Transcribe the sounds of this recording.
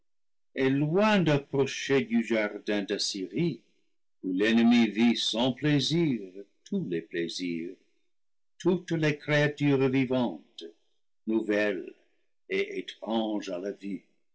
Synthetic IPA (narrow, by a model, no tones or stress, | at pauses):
elwɛ̃d̪apʁɔʃed̪yʒaʁd̪ɛ̃d̪asiʁi | ulɛnəmivisɑ̃pleziʁtʰulepleziːʁ | tʰut̪lekreatyːʁvivɑ̃t̪ | nuvɛl | eʔetʁɑ̃ʒalavi